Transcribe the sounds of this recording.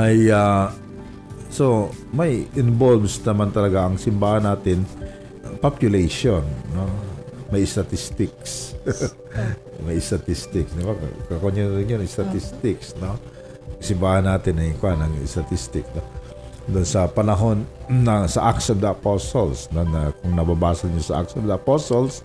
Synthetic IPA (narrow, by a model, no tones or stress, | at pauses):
ʔaja | so̞mɐjʔɪnbolbsnɐmant̪ɐlɐɡaʔɐŋsɪmbaːhɐnaːt̪ɪn | papjʊlejʃonːomɐjʔɪst̪ɐt̪ist̪ɪks | mɐjɪst̪ɐt̪ist̪ɪksd̪ɪbakkɐkoɲːʊnɾɪnjoɪst̪ɐt̪ist̪ɪksno | ŋsɪmbaːhɐnːaːt̪ɪnɐjkʊanɐŋɪst̪ɐt̪ist̪ɪksno | d̪onsɐpɐnɐɦo̞nnɐsɐʔaksɐvd̪ɐʔɐposolsnonɐkʊŋnɐbabaːsɐlɲosɐʔa̰ksɐvd̪ɐɐposols